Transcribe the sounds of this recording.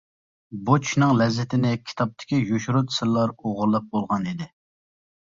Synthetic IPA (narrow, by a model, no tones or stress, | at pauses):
but͡ʃʰʃnɨŋlɛzːɪt̪ʰɪnɪkʲʰi̥t̪ʰɑp̚t̪ʰɪ̥kʲijoʃuɾut̪sɨɾlːˠɑɾoʁʊɾlˠɨp̚bolˠʁɑnid̪ɪ